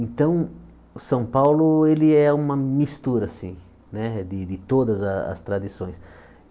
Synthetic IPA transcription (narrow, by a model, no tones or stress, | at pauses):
ẽnt̪ɐ̃w̃ | ʊsɐ̃w̃pawlʊelɪɛũmɐmist̪uɾɐsĩ | nɛd̪ɪd̪ɪt̪od̪ɐzɐɐ̰st̪ɾad̪isõj̃s